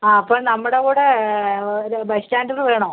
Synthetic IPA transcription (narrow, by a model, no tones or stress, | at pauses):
aːɐpːoːɭnɐmːuɽeɣuːɽe | bɐstaːndilːɨʋeːɳoː